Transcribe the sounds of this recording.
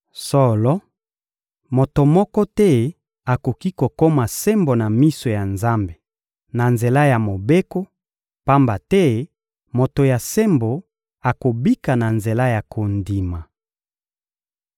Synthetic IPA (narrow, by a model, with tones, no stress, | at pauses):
sɔ˦lɔ˦ | mo˨to˨mɔ˦kɔ˦tɛ˦ | a˨ko˨ki˦ko˨ko˦ma˨se˦mbo˨na˨mi˦so˨ja˨nza˦mbe˨ | na˨nze˨la˦ja˨mo˨be˦ko˦ | pa˦mba˨tɛ˦ | mo˨to˨ja˨se˦mbo˨ | a˨ko˨bi˦ka˨na˨nze˨la˦ja˨kʰo˨ndi˨ma˨